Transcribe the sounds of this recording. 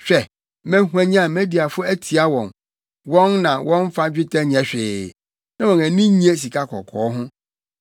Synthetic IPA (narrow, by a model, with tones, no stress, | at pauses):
ɕᶣɛ˨ | mæ̃˦ɦu˦æ̃˦ɲ˦ã˦˨mɛ̃˦di˨a˨fʊ˦æ˦tʰi˨a˦wɔ̃˨n | wɔ̃˦nnã˨wʔɔ̃˦n˦fa˦d͡ʑᶣɪ˦tʰɛ˦ɲ˨ɛ̃˨ɕᶣɪ˨ | nã˦wɔ̃˨næ˨nĩ˦ɲĩ˨˦ẽ˦s̬i˨kʰa˦kʰɔ̰˨kʰɔː˨˦ɦʊ̃˦